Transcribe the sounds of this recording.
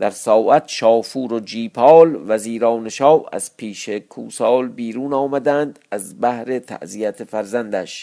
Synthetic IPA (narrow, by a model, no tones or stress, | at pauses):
d̪̥æɾsɒːʔæt̪ʃɒːfuːɾod͡ʒiːpʰɒːlvæziːɾɒːneʃɒːvæ̰z̥pʰiːʃekʰuːsɒːlbiːɾuːnɒːmæd̪ænd̪æzbæhɾe̞t̪ʰæ̰ʔzijæt̪ʰefæɾzænd̪æʃ